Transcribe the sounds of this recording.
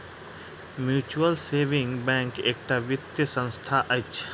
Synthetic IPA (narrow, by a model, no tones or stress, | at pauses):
mjuːt͡ʃuəlseːʋɪ̃ŋɡbɛ̃ŋkeːk̚ʈaʋɪt̪jəsə̃nst̪ʰaʔət͡ʃʰ